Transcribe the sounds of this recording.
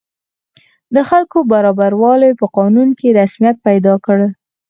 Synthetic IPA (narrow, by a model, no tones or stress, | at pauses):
d̪əxalkobaɾɑbaɾwɑlejpəqɑnunkeɾasmijat̪̚pajd̪ɑkəɽ